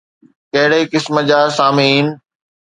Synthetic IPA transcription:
kɐɦɪɽeikɪsmə̆d͡ʑaːsaːmiːn

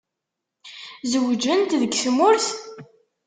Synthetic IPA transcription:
zwd͡ʒənt̪ðəɡθmʊɾθ

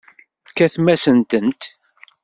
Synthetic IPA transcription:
kːæθmæsənt̪ənt̪

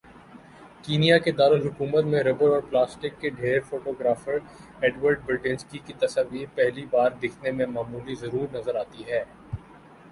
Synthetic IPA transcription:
kiːnijaked̪aːləlɦʊkuːmət̪mẽɾɐbəɾɔːɾplaːsʈɪkːeɖʱeːɾfoːʈoːɡɾaːfəɾ | eːɖʋəɾɖ̚bɪɾʈɪ̃nskikit̪ɐsəʋːiːɾpɛɦlibaːɾd̪ɪkʰnemẽmaːmuːlizɐɾuːɾnɐzəɾaːt̪iɦɛː

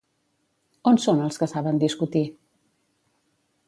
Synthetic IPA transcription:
onsonəlˠskəsaβənd̪iskut̪i

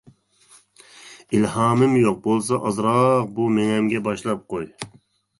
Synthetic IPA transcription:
ilhɑːmɪmjoq̚bolˠs̬ɑʔɑzɾɑq̚bumeŋɛmɡʲɛbɑʃlˠɑp̚qoj

